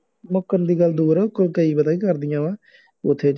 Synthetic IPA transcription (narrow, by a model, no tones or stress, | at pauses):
mʊkːənd̪iːɡəld̪uːɾaʊkːəlkəiːbəd̪aːiːkəɾd̪ɪjãːʋãː | ʊt̪ʰːeː